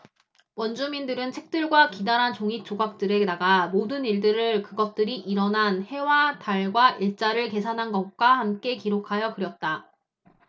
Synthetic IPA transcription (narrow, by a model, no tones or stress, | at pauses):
wʌnd͡ʑumindɯɾɯnt͡ɕʰe̞k̚t͈ɯɭɡwakidanɦant͡ɕoŋik̚t͡ɕ͈oɡak̚t͈ɯɾe̞naɡamodɯniɭdɯɾɯɭkɯɡʌt̚t͈ɯɾiʔiɾʌnɦanhe̞wataɭɡwaʔiɭt͡ɕ͈aɾɯɭke̞sʰanɦanɡʌk̚k͈wahamk͈e̞kiɾokʰajʌkɯɾjʌt̚t͈a